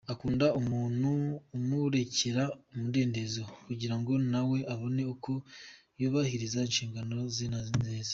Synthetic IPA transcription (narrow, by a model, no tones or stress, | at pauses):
akuːndaumuːnuːmuɾe̞ce̞ɾaumude̞ːnde̞zokuɟiɾaŋɡo̞nawe̞aβo̞ne̞uko̞ | joːβahiɾizainʃiːŋɡano̞zinazinzeːze̥